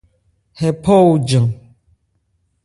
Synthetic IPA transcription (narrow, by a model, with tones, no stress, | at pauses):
hɛ˨pʰɔ˦u˨d͡ʒɨ˨ŋ